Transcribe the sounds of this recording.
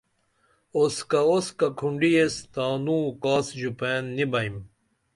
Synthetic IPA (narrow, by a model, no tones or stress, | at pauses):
oskaoskakʰuɳɖiest̪aːnũːkaːsd͡ʑupeːnːibɐim